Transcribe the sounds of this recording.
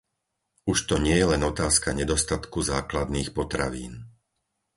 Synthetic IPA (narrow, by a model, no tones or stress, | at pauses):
uʃt̪ɔɲɪɛjɛlɛnɔt̪aːskaɲɛd̪ɔst̪at̪kuzaːklad̪niːxpɔt̪ɾaʋḭːn